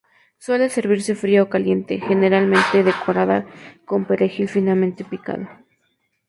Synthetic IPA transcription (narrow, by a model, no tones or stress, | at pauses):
swe̞le̞se̞ɾβiɾse̞fɾiaokalje̞nt̪e̞̰xe̞ne̞ɾalmẽ̞nt̪e̞ðe̞ko̞ɾaða̰ko̞mpe̞ɾexilfinalment̪e̞pika̰ð̞o